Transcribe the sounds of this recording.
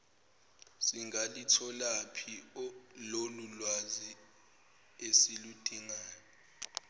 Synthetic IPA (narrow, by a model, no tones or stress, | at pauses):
siŋɡalitʰɔlapʰilolulwazi | esilud̥ʱiŋaːjɔ